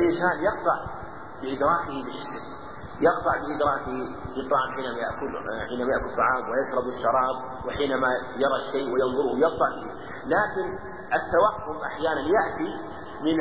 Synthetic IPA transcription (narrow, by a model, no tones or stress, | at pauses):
ʔɪnsaːnjɑqt̪ˤɑʕ | bɪʔɪd̪ɾˤɑːkɪhibɪħɪsɪn | jɑqt̪ˤɑʕbɪʔɪd̪ɾɑːkɪhilɨt̪ˤːɑʕɑmħiːnamaja̰ʔkʊlħiːnamajaʔkʊlt̪ˤːɑʕɑːmwɪjaʃɾˤɑbɪʃːɑɾˤɑːb̚ | wɪħiːnama | jɑɾˤɑʃeːʔwɪjɪnðˤʊɾʊhwjɪq̚t̪ˤɑʕlɪeː | laːkɪn | ʔat̪ːawaxːʊmʔaħjaːnanjaʔt̪i | mɪn